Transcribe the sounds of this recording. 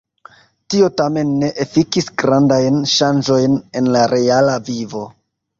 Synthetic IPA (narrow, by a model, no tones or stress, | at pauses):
tio̞tame̞nːe̞ʔefikisɡɾandajnʃand͡ʒo̞jne̞nlaɾe̞alavivo̞